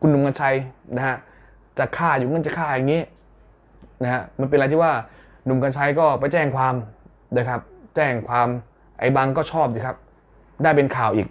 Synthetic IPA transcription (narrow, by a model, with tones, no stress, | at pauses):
kʰu˧nːu˧mŋka˧nt͡ɕʰa˧jna˦˥ha˦˥ʔ | t͡ɕa˨˩kʰaː˥˩juː˨˩ŋɤ˧˥˨nt͡ɕa˨˩kʰaː˥˩ja˨˩ŋːiː˦˥ | na˦˥ka˦˥ʔma˧np̬e˧nʔt̪ʰi˥˩waː˥˩ | nu˧mka˧nt͡ɕʰa˧jkɔː˥˩pa˧jt͡ɕɛː˥˩ŋkʰwaː˧m | daː˥˩jkʰa˦˥p̚t͡ɕɛː˥˩ŋkʰwaː˧m | ʔa̰˧jba˧ŋkɔː˥˩t͡ɕʰɔː˥˩p̚diː˧˩kʰa˦˥p̚ | daː˥˩jpe˧nkʰaː˨˩wʔiː˨˩k̚